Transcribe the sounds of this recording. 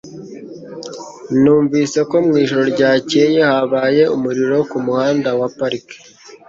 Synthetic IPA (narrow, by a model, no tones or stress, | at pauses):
nuːɱviːse̞ko̞mŋiːʒoɾo̞ɾɟaːcejehaβaːje̞umuɾiɾo̞kumuhaːndawapaɾike̥